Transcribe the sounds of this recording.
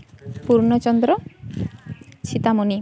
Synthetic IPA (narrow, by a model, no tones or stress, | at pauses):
puɾnɔt͡ʃɔnd̪ɾɔ | t͡ʃʰit̪amoni